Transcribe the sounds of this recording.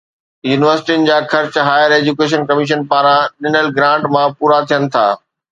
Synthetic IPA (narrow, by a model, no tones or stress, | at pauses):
juːnɪʋəɾsɪ̥ʈiʊnɪ̆d͡ʑaːxɐɾt͡ɕɦaːjəɾeːd͡ʑukeːʃ̬ənkɐmɪʃ̬ənpaːɾãɗɪnəlɡɾãːɳʈmãpuːɾat̪ʰijənɪ̆t̪ʰa̰ː